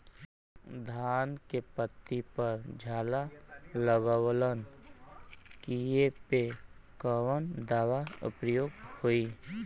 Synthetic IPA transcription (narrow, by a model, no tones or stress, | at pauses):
d̪ʱaːnkepət̪ːipəɾd͡ʒʱaːlaləɡwlən | kijepekəʋənd̪aːʋaʊ̰pəjoːɡhoiː